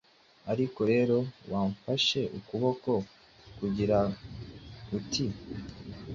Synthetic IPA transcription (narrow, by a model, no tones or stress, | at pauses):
aɾiko̞ɾe̞ːɾo̞waːɱfaʃe̞ʔukuβo̞ko̞ | kuɟiɾa | utʰi